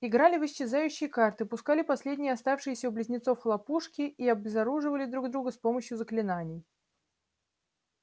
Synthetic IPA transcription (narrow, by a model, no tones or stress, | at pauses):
ɪɡɾalʲɪvɨɕːɪzajʉɕːɪjəkart̪ɨpʊskalʲɪpɐsʲlʲedʲnʲɪjəɐst̪afʂɨjɪsʲəʊblʲɪzʲnʲɪt̪so̞fxəlˠɐpuʂkʲɪiɐbzɐɾuʐɨvəlʲɪd̪ɾuɡd̪ɾuɡəspo̞məɕjʊzəklʲɪnanʲɪj